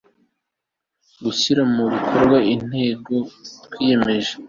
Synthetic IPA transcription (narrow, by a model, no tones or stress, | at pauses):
ɡuɕiɾamuβikʰo̞ɾɡwain̥he̞ːɡo̞tkwiːje̞me̞ʒe